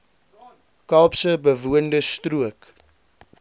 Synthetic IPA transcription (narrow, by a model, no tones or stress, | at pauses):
kɐlpsəbəvuəndəstruək